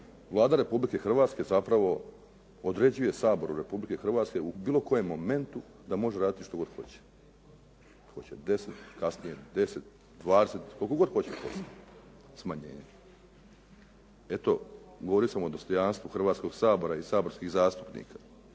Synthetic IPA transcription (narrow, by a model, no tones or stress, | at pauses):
ʋlˠaːd̪aɾe̞publike̞xr̩ʋaːt̪ske̞zapɾaʋo̞ | od̪ɾe̞d͡ʑuje̞saːbo̞ɾuɾe̞publike̞xr̩ʋaːt̪ske̞ubiːlˠo̞ko̞je̞mːo̞me̞nt̪u | d̪amo̞ʒeɾaːd̪it̪iʃt̪oɡo̞d̪xo̞̰t͡ɕe̥ | xo̞t͡ɕed̪e̞set̪kasnijed̪e̞set̪̚ | d̪ʋaːd̪eset̪ko̞lkoɡo̞d̪xo̞t͡ɕepo̰s | smaɲḛːɲe | e̞t̪o̞ɡoʋoɾiosamo̞d̪o̞st̪o̞janst̪ʋuxr̩ʋaːt̪sko̞ɡsaːbo̞ɾaisaːbo̞ɾskiɣzaːst̪u̥pnḭːkʰa